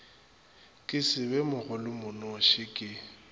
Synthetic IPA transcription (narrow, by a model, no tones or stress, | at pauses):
kʼɪsɪbɛmʊɣʊlɪmʊnɔʃɪkʼɪ